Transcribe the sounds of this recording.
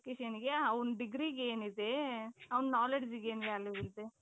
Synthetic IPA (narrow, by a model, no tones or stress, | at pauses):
keʃɐnɡeɐʋɐnɖiɡɾiɡeːnid̪eɐʋɐnːaːleɖd͡ʒiɡeːnʋaːlːiʋild̪e